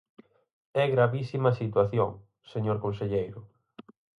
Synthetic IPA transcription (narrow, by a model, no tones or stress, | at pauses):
ɛɣɾaβisimɐsit̪waθjo̰ŋ | seɲoɾkõnseʎejɾʊ